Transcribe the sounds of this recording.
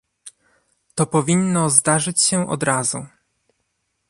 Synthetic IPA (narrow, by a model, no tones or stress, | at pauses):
t̪ɔpɔvʲinːɔzd̪aʐɘt͡ɕɕɛʔɔ̰d̪ɾazu